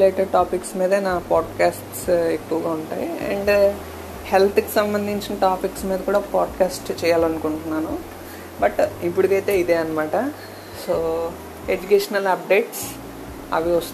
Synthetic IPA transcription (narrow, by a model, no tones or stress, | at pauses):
leːʈɐʈaːpiksmiːd̪ɐnaːpaːɖkaːsʈsekːuʋɐɡaːuɳʈa̰ːjiḛɳɖ | helt̪ʰki̥sɐmbɐnd̪ʱiɲt͡ʃinɐʈaːpiksmiːd̪ɐkuːɽaːpaːɖkaːsʈt͡ʃɛːjaːlɐnukuɳʈunːaːnu | bɐʈipːuɽikɐjt̪e̞ːid̪e̞ːɐnɐmaːʈɐ | soː | ed͡ʒukeːʂɐnɐlɐp̚ɖe̞ːʈs | ɐ̰ʋiɐst̪u